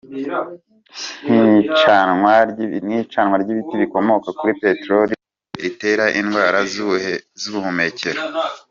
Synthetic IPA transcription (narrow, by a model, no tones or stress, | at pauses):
nit͡ʃawanit͡ʃanwaɾɟiβitiβiko̞mo̞kakuɾipe̞tɾoɾi | ɾite̞ːɾaʔinɡwaːɾa | zuβumume̞ce̞ɾo